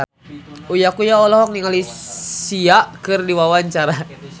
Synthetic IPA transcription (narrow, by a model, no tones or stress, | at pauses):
ujakujaɔlɔɦɔk̚niŋalisiaʔkɨrdiwawaɲt͡ʃaɾa